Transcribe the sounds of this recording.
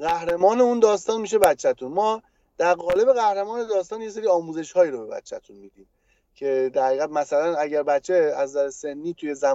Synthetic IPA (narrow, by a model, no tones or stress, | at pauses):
ɣæhɾe̞mɒːne̞und̪ɒːst̪ɒːnmiːʃ̬e̞bæt͡ʃʰːæt̪ʰunmɒː | d̪̥æɾɣɒːle̞be̞ɣæhɾemɒːne̞d̪ɒːst̪ɒːnjes̬eɾiːɒːmuːze̞ʃhɒːjiːɾobe̞bæ̰t͡ʃʰːæt̪ʰunmiːd̪iːm | cʰe̞d̪æɾhæɣiːɣæd̪̚mæsælænæɟæɾbæt̪t͡ʃʰːeæzzæɾese̞nːiːt̪ʰuje̞zæm